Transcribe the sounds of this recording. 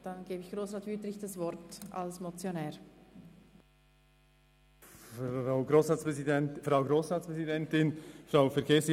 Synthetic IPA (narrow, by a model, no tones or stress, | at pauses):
d̥ɑnɡ̥eːbɪçɡ̥roːsɾɑːtvyːtlɪçd̥ɑsvɔɾta̰lsmot͡sjonɛːɾ | ʁaʊɡɾoːsɾɑːspɛsidɛnfɾaʊɡɾoːsʁɑːtt͡spʁɛzidɛntɪnʃaʊfɛɾɡeːs